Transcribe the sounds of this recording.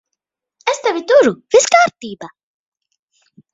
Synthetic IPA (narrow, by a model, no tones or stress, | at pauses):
æst̪ævit̪uɾuviskaːɾt̪iːba